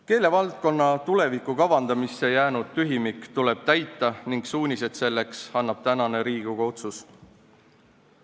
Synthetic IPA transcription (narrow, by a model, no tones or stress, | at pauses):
ke̞ːle̞vɑlt̪̚ko̞nːɑt̪ule̞vikːˑukɑvɑnd̪ɑmisːe̞jæːnud̪̥t̪yɦimikːt̪ule̞b̥̚t̪æjt̪ːˑɑniŋɡ̥suːnʲise̞d̪̥se̞lːe̞ksɑnːɑb̥t̪ænɑne̞ɾiːɡ̥uɡ̥ɑo̞t̪sus